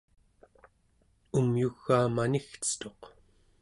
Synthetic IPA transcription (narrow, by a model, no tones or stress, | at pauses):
umjuɣːaːmanixt͡sə̥t̪o̞q